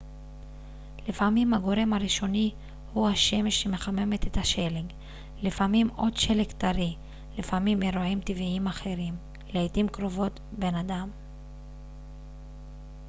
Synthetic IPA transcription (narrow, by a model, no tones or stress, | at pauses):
lifamimhaɡo̞ɾe̞mhaɾiʃo̞ni | huhaʃe̞meʃeme̞χame̞met̪et̪haʃeleɡ | lifamimo̞d̪ʃelekt̪aɾi | lifamimeɾoimt̪iviimaχe̞ɾim | leitimkɾo̞vo̞t | be̞nad̪am